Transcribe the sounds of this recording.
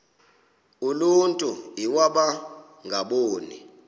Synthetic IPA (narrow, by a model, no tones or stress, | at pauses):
uluntʼuiwaɓa | ŋʱaɓoːni